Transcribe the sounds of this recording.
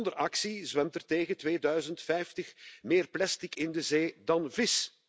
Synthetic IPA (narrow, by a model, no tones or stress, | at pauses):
ndərʔɑksizʋɛmtərteːɣətʋeːdœɥzəntfɛjftəxmeːrplɛstikɪndəzeːdɑnvɪs